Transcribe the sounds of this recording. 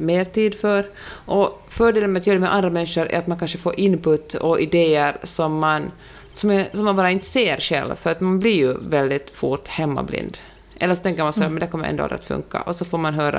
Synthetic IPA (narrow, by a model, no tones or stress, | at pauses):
meːɾt̪ʰiːd̪fœɾʔɔfœːɖeːlənmɛat̪jøːɾmɛʔand̪ɾamɛnːʂʊɾɛ̰ɾat̪mankanʂəfoːɾʔɪnːpɵt̪ːɔʔɪd̪eːəɾsɔmːan | sɔmɛsɔmːanbɑːɾaɪnt̪ə̥seːɾʂɛ̰lvfœɾat̪manblɪɾjɵvɛld̪ɪt̪fuʈhɛmːa̰blɪ̰nd̪ | ʔɛlːəʂɔt̪ɛŋkəɾmansɔhæːɾmɛnd̪ɛækɔmːəɾɛ̰nd̪o̰ːa̰lɾəat̪fɵ̰ŋka̰ʔɔsɔfoːɾmanɦøːɾa̰